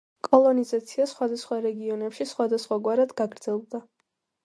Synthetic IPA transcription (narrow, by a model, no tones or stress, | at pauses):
kʼɔlˠɔnizat̪sʰiasχwad̪asχwaɾɛɡiɔnɛpʃisχwad̪asχwaɡwaɾad̪ɡaɡɾd̪z̥ɛlˠd̪a